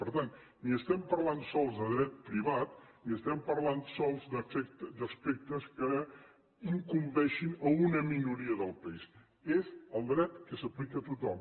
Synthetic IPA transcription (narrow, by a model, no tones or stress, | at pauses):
pəɾt̪an | niəst̪ɛmpəɾlansɔlˠzðəðɾɛt̪̚pɾiβ̞at̪niəst̪ɛmpəɾlansɔlˠzd̪əfɛkt̪d̪əspɛk̚t̪əskə | iŋkumbɛʃinəunəminuɾiəðəlˠpəis | ezəlˠd̪ɾɛt̪kəsəplikət̪ut̪ɔm